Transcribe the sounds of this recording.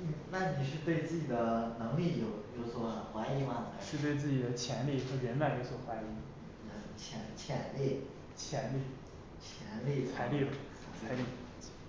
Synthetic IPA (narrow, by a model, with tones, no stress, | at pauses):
n̩˥˩na˥˩ni˨˩ʂɻ̩˥˧t̪we˥˧ɪt͡sɹ̩˥˩t͡ɕi˨˩d̪ə˦nɤ˧˥ŋli˥˩jo˨˧˩ʊjo˧˥ʊt͡sʰwɔ˨˩˧xwa˧˥ɪi˧˥ma˧˩˧ʂɻ̩˥˧t̪we˥˧ɪt͡sɹ̩˥˩t͡ɕi˨˩d̪ə˦t͡ɕʰjɛ˧˥nli˥˩xɤ˧˥ɻə˧˥nma˨˩njo˧˥ʊt͡sʰwɔ˨˩xwa˧˥i˧˥n̩˨˥˩t͡ɕʰjɛ˧˥nt͡ɕʰjɛ˧˥nli˥˩ | t͡ɕʰjɛ˧˥nli˥˩ | t͡ɕʰjɛ˧˥nli˥˩t͡sʰa˧˥ɪli˥˩lə˨˩ | a˧a˧˥ɪli˥˩